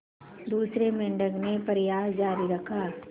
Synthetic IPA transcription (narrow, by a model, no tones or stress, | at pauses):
d̪uːsɾemɪɳɖəɡnepɐɾɪjaːɦd͡ʒaːɾiɾɐkʰaː